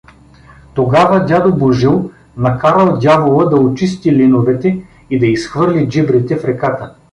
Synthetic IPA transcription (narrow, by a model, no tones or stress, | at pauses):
t̪oɡavəd̪ʲad̪oboʒilˠ | nɐkaɾəlˠd̪ʲavolˠəd̪ɐot͡ʃist̪ilinovɛt̪ɛ | id̪ɐisxvɤɾlʲid͡ʒibɾɛt̪ɛfɾɛkat̪ə